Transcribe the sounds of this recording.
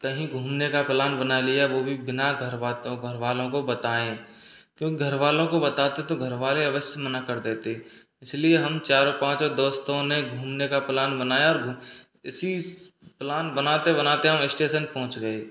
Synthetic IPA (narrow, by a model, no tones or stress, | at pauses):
kɐɦĩɡʱuːmnekaplaːnbɐnalijaʋoːbʱibɪnaɡʱɐɾat̪oɡʱɐɾʋaːlõkobɐt̪aːẽ | kjõːkiɡʱɐɾʋaːlõkobɐt̪aːt̪et̪oɡʱɐɾʋaːleɐʋəʃjəmənakɐɾd̪eːt̪eɛ̃ | ɪslieɦɐmt͡ʃaːɾõpãːt͡ʃɔd̪oːst̪õneɡʱuːmnekaplaːnbɐnaːjaɔːɾɡʱ | ɪsi | plaːnbɐnaːt̪ebɐnaːt̪eɦɐmɪsʈeːʃənpɔɦʊ̃t͡ʃɡɐeː